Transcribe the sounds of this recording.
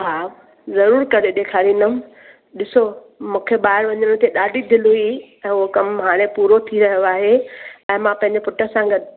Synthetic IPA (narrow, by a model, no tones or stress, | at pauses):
ɦaː | zɐɾuːɾkɐɾeɗ̪eːkʰaːɾiːnəm | ɗɪso | mũːkʰeɓaːɦɪɾʋɐɲəɽ̃t̪eɗaːɖʱid̪ʱɪluiɛ̃ːʊokɐmɦaːɽ̃epuːɾot̪ʰiɾɐɦijoaːɦeɛ̃ːmãpɐ̃ɦɪ̃ɲd͡ʑepʊʈə̆sãɡɐd̪